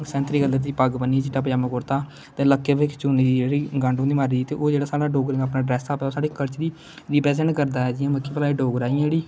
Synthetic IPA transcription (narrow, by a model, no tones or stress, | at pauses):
sɛ̃ːnt̪ɾiːɡələd̪iːpəɡbəniːd͡ʒɪʈaːpəd͡ʒaːməkʊɾt̪aː | t̪ẽːləkːeːʋɪkt͡ʃuːniːd̪id͡ʒeːɽiːɡãːɳɖõːd̪iːmaːɾiːd̪iːt̪eːʔoːd͡ʒeːɽaːsaːɽaːɖoːɡɾɪ̃ŋɡaːpnaːɖɾɛːsaːpɛːoːsaːɽeːkəɾt͡ʃd̪iː | ɾiːpɾɛːzɛ̃ːɳʈkəɾd̪aːɛːd͡ʒɪãːməkʰːiːpəlaːiːɖoːɡɾaːĩeːɽiː